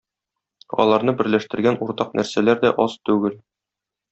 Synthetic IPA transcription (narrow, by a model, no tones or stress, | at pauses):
ɒ̰lˠɑɾnɤbɘ̆ɾlæʃt̪ɘ̆ɾɡænuɾt̪ɑqnʔæɾsælæɾd̪æʔɒzt̪ʉɡɘl